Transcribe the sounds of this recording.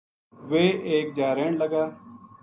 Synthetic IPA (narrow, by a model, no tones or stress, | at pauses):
ʋeːʔeːk̚d͡ʒaːɾeːɳləɡaː